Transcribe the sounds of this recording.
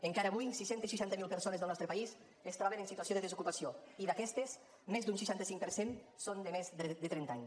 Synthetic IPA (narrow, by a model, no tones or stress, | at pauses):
eŋkaɾəːβujsiʃent̪esʃiʃant̪əmilˠpəɾsonezðəlˠnɔst̪ɾəpais | est̪ɾɔβenənsit̪uasioðəðəzukupasioiðakɛst̪es | mezd̪uns̬iʃant̪əsiŋk̚pəɾsensond̪əmezðət̪ɾɛnt̪aɲ